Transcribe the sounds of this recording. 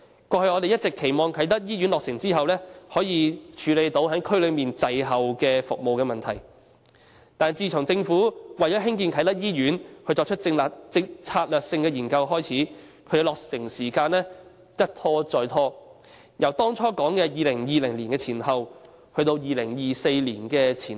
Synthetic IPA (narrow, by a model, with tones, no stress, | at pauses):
kʷɔː˧hɵ˧ɔː˨˧t̪e˨jɐ˥t̚t͡sɪ˨kʰːe˨˩jmɔː˨ŋkʰɐ˨˥jt̪ɐ˥t̚jiː˥ɥyː˨˥nlɔː˨k̚sɪ˨˩ŋt͡siː˥ɦɐ˨wlɛː˥hɔː˨˥jiː˨˧t͡ʃʰyː˨˧le˨˧jt̪o˨˧˥whɐ˨˥kʰɵ˥ɥlɵ˨˧miː˨nt͡sɐ˨˧jɦɐ˨wkɛː˧fʊ˨k̚mo˨wkɛː˧mɐ˨nt̪ʰɐ˨˩j | t̪aː˨˩nt͡siː˧t͡sʰʊ˨˩ŋt͡sɪ˧ŋfuː˨˥wɐ˨jt͡sɔ˨˥ɦɪ˥ŋkiː˧nkʰɐ˨˥jt̪ɐ˥k̚jiː˥ɥyː˨˥nʰɵ˧t͡ʃt͡sɔː˧k̚t͡ʃʰɵ˥t̚t͡sɪ˧ŋlaː˨k̚t͡sɪ˧k̚t͡sʰaː˧t̚lœː˨k̚sɪ˧ŋkɛː˧jiː˨˩nkɐ˧wɦɔː˥jt͡sʰiː˨˥ | kʰɵ˨˧ɥkːlɔː˨k̚sɪ˨˩ŋsiː˨˩kaː˧nlɛː˥ | jɐ˥t̚t̪ʰɔː˥t͡sɔː˧jt̪ʰɔː˥ | jɐ˨˩wt̪ɔː˥ŋt͡sʰɔː˥kɔː˨˥ŋkɛː˧jiː˨˧lɪ˨˩ŋjiː˨lɪ˨˩ŋliː˨˩nkɛː˧t͡sʰiː˨˩nhɐ˨w | hɵ˧ɥt̪o˧wjiː˨˧lɪ˨˩ŋjiː˨se˧jliː˨˩nkɛː˧t͡sʰiː˨˩n